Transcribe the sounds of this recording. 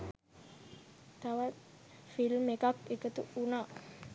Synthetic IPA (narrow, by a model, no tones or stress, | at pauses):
t̪awat̪ | filmekakekət̪uunaʔ